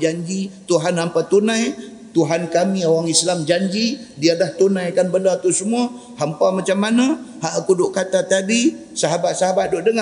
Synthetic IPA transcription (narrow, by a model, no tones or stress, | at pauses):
d͡ʒaɲd͡ʒit̪uɦanampat̪unãj | t̪uɦankamĩowaŋislamd͡ʒaɲd͡ʒi | dialaht̪unãjakanbənat̪usəmua | hampamat͡ʃamːanahaʔakudoʔkat̪at̪adi | saɦabat̪̚saɦabat̪̚doʔdəŋa